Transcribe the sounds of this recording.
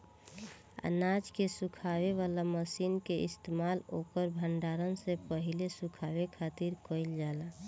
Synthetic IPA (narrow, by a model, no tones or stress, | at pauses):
a̰nad͡ʒkesukʰaʋeʋalaməsinkeʔɪst̪emalokəɾbʱəɳɖaɾənsepəɦilesukʰawekʰat̪iɾkəɪld͡ʒala